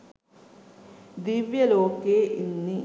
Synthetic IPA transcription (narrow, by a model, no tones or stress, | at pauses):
d̪iʋjɐloːkeːʔinːi